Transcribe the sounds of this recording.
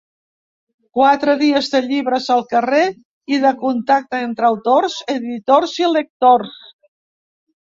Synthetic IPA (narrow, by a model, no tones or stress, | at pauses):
kwat̪ɾəðiəzðəʎiβɾəzəlˠkəre | iðəkunt̪ak̚t̪əent̪ɾəwt̪orzeðit̪orzilək̚t̪ors